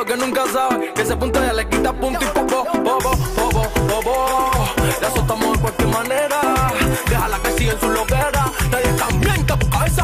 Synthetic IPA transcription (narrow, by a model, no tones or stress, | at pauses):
ok̬enũŋkas̬aβekes̬epũnt̪ajalekit̪apũnt̪ĩmpokoboβoboβobobo | lasot̪amoekwalkjeɾmãneɾad̪ehalakesiɣensulopeɾat̪aɾiat̪ambjeŋk̪akaβesa